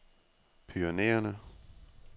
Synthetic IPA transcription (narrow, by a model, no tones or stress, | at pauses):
pʰyɐnḛːɐnə